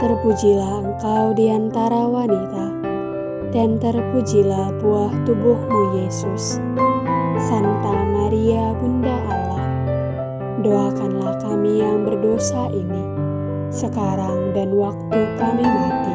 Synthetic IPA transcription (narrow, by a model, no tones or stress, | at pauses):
t̪ərpud͡ʒilahəŋkawdiant̪aɾawanit̪a | dant̪ərpud͡ʒilahpuaht̪ubʊhnujesʊs | sant̪aŋmaɾiabundaʔːlah | doakanlahkamijaŋbərdosaʔini | səkaɾaŋdanwak̚t̪ukamimat̪i